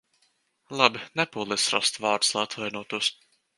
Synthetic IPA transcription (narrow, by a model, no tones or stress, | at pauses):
lˠabinɛpuːlˠɛsɾast̪vɑːɾt̪slˠajat̪vajnuɔt̪uɔs